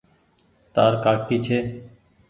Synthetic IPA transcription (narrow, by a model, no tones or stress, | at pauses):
t̪aːɾkaːkʰiːt͡ʃʰeː